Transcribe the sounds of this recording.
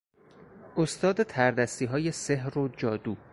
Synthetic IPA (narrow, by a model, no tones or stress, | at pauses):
ʔost̪ɒːd̪et̪ʰæɾd̪æst̪iːɦɒːje̞se̞ɦɾod͡ʒɒːd̪uː